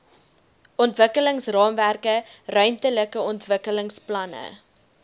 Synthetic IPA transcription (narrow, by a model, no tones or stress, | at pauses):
ʔɔntvəkələŋsrɑːmværkərœɥntələkəɔntvəkələŋsplɐnə̰